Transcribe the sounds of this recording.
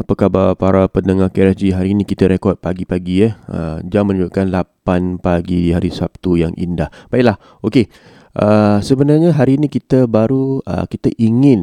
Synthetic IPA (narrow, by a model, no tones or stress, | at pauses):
apakabapaɾapənəŋahkɛnad͡ʒiɦaɾiːnĩkit̪əɾekɔd̚paɡipaɡiəhə̰d͡ʒamːə̃nəuʔ̚kanlapanpaɡihaɾisap̚t̪ujaŋʔḭndahb̥aiʔlah | oke | ʔəsəbənarɲaɦaɾiːnĩkit̪əbaɾuə̰kit̪əʔiŋɪn